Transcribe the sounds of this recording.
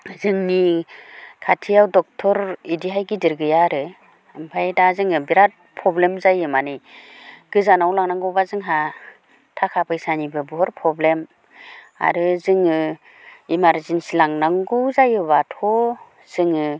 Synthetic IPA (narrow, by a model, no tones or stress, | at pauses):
zɯŋni | kʰatʰiawdɔk̚tʰɔɾidiɦajɡidɯɾɡɯjaɾɯ | mpʰajdazɯŋɯbiɾat̚pʰɾɔblemzajɯmani | ɡ̥ɯzanawlaŋnaŋɡɔwbazɯŋɦa | tʰakʰapʰɯjsanibɯbɔɦɔɾpʰɾɔblem | a̰ɾɯzɯŋɯ | imaɾzinsilaŋnaŋɡuzajɯbatʰɔ | z̥ɯŋɯ